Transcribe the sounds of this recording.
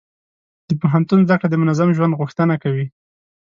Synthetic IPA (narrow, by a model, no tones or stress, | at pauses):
d̪̥əpoɦant̪unzd̪akɽad̪əmʊnazamʒwand̪ɣuxt̪ənakawi